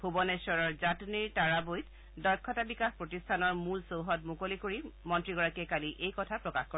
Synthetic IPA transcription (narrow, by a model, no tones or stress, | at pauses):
bʱubɔnesɔɹɔɹzatniɹtaɹabojt | dɔɹkʰːɔtabikaxpɹotistʰanɔɹmulsowɦɔt̚mukolikoɹimɔntɹiɡɔɹakɛkaliʔejkɔtʰapɹɔkaxkɔɹ